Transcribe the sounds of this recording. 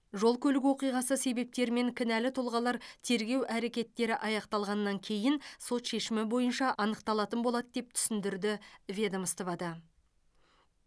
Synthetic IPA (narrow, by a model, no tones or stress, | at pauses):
ʒo̞lˠkʲʰɵlɪɡʲwo̞qijʁɑsəse̞be̞p̚t̪e̞ɾɪme̞ŋkʲʰɪnælɪt̪ʰʊlˠʁɑlˠɑɾt̪ʰe̞ɾɡʲe̞wʔæɾe̞kʲe̞t̪ːe̞ɾɪʔɑjɑqt̪ɑlˠʁɑnːɑŋkʲʰe̞jɪnso̞t̪ʃe̞ʃɪmɪbo̞jənʃɑʔɑnəqt̪ɑlˠɑt̪ənbo̞lˠɑd̪əd̪e̞p̚t̪ʰʏ̥sɪnd̪ɪɾd̪ɪvʲe̞d̪əməst̪əvɑd̪ə